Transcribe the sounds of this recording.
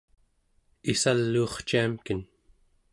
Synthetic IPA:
isalːuːχt͡ʃiamkən

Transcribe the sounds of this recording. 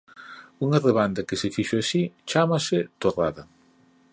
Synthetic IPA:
uŋɐreβand̪ɐkɪsɪfiʃoasit͡ʃamɐsɪt̪oraðɐ

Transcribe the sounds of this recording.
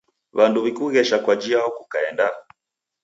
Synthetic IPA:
βanduβikuɣɛʃakwad͡ʒiaɔku̥kaɛnda

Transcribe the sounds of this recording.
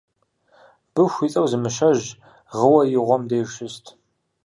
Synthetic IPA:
b̥ɨxʷit͡sʼɐwzɨmɨʃɐʑ | ʁəwɐjɪʁʷɔmdeːʃɪstʰ

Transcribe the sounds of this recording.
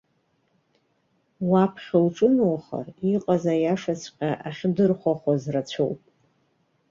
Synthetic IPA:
wapʰχʲalʈ͡ʂʼɨnowχa̰riqʼazajaʂasʰʼqʲʼaʔaχʲdɨrχʷaχʷazrat͡ɕʷʰo̰wpʼ

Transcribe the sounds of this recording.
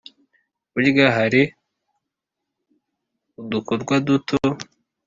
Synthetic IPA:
uɾiɡaɦaɾi | udukoɾɡwadutʰo

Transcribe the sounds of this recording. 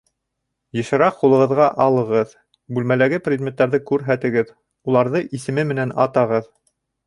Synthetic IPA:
jɤ̆ʃɤ̆ɾɑqqulˠɤ̆ʁɤ̆ðʁɑʔɑlˠɤ̆ʁɤð | bʉlmælæɡɘprʲɪd̪̚mʲet̪ːæɾðɘkʉɾɦæt̪ɘ̆ɡɘð | ulˠɑɾðɤʔisɘ̆mɘmɘ̆nænɑt̪ɑʁɤð

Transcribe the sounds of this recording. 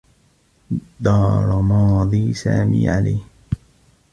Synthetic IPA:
d̪ɑːɾˤmɑːd̪ˤiːsa̰ːmḭːʕalajːh

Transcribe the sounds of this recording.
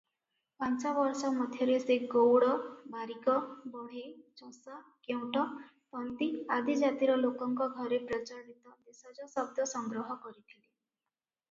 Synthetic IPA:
pant͡ʃabɔɾsɔmɔd̪ʱjɔɾeseɡowɽɔbaɾikɔbɔɽ̤et͡ʃɔsakew̃ʈɔ | pɔnt̪iad̪id͡ʒat̪iɾɔlokɔŋkɔɡʱɔɾepɾɔt͡ʃaɾdit̪ɔd̪esɔd͡ʒɔsɔb̚d̪ʱɔsɔŋɡɾɔɦɔkɔɾit̪ʰili

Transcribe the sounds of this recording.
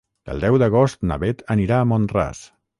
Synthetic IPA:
d̪̥ə̰lˠd̪ɛwðəɣ̞ost̪nə̰βet̪ʰəniɾaəmonra̰s

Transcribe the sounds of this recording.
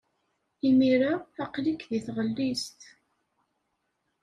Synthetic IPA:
imiɾaaqlikðiθʁəlːist̪

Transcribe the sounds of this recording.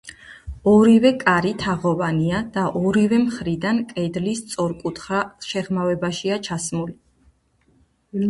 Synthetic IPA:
ɔɾivɛkʼaɾit̪ʰaʁɔvaniad̪̥aʔɔɾivɛmχɾid̪ankʼɛd̪list̪sʼɔɾkʼut̪ʰχaʃɛʁmavɛbaʃiat͡ʃʰasmuli

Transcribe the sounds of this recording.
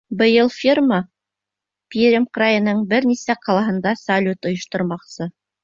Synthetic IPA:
bɤ̆jɤlˠfʲirmɑ | pʲiɾʲemqrɑjɤ̆nɤɴbɘɾnisæqɑlˠɑɦɤ̆nd̪ɑsalʲut̪ŏjŏʃt̪ŏɾmɑqsɤ

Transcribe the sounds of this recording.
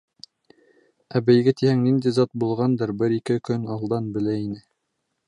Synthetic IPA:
æbɘ̆jɡɘt̪ihæŋnind̪izɑt̪̚bulˠʁɑnd̪ɤɾbɘɾikɘkɵnɑlˠd̪ɑnbɘ̆læinɘ

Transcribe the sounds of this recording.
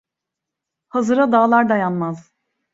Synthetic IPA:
hazɯɾad̪aːlˠaɾd̪ajanmaz

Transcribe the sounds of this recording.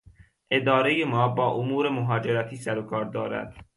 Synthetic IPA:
ʔe̞d̪ɒːɾejemɒːbɒːʔomuːɾemoɦɒːd͡ʒe̞ɾæt̪ʰiːsæɾokʰɒːɾd̪ɒːɾæ̰d̪̥

